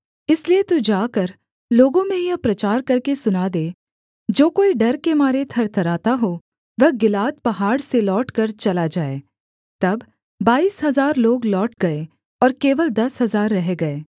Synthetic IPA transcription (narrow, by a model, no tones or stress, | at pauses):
ɪsliet̪ud͡ʒaːkɐɾ | loːɡõmẽjɐpɾɐt͡ʃaːɾkɐɾkesʊnaːd̪eː | d͡ʒoːkoːiɖɐɾkemaːɾet̪ʰɐɾt̪ʰɐɾaːt̪aɦo | ʋɐɦɡɪlaːt̪̚pɐɦaːɽselɔːʈkɐɾt͡ʃɐlad͡ʒaːḛː | t̪ɐbː | aːiːsɦɐzaːɾloːɡlɔːʈ̚ɡɐe | ɔːɾkeːʋəld̪ɐsɦɐzaːɾːɐɦeɡɐeː